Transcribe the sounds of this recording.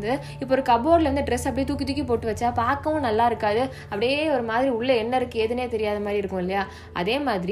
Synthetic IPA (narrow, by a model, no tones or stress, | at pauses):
d̪ɯ | ɪpːoːɔɾɯkɐboːɾlɐʋɐnd̪ɯɖɾɛsɐpːɐɽit̪uːkːɪt̪̬ːɯkʲːipoːʈːɯʋɐt͡ʃːaːpaːɾkɐʋʊ̃nɐlːaːɪɾɯkːaːðɯ | ɐpːɐɽɪjeːɔɾɯmaːðɪɾiʊɭːɐɛnːɐɪɾɯkːɯeːðɯneːt̪ɛɾɪjaːðɐmaːdðɾiɪɾɯkːʊ̃ɪlːɐjaː | ʔɐ̰ðeːmaːðɪɾi